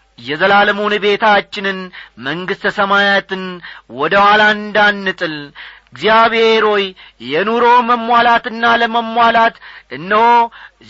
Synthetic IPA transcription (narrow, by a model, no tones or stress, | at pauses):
jɛzəlaləmonɨbe̞t̪ʰat͡ʃːɪnɨnməŋɡɨst̪ʰəsəmajat̪ɨnwɔd̪əwaland̪anːɨt̪ʼɨlɨɡzijaβheɾo̞jjɛnuɾo̞məmːʷalat̪ɨnːaləməmːʷalat̪ɨnːəwo